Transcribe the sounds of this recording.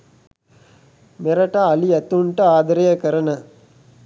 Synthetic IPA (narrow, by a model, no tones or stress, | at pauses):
mɛɾɐʈaɐliɐt̪uɳʈɐaːd̪ɐɾɐjɐkɐɾɐnɐ